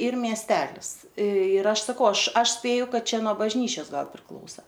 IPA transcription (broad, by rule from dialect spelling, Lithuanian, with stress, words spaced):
ˈiːr mʲiɛsʲˈtʲæːlʲɪs ɪr ˈɐʃ sɐˈkɐʊ ˈɐʃ ˈɐʃ ˈsʲpʲeːjʊ ˈkɐt ˈt͡ʃʲɛ nuɔ bɐʒʲˈnʲiːt͡ʃʲɛs ˈɡɐlˠ pʲrʲɪˈklˠɐʊsɐ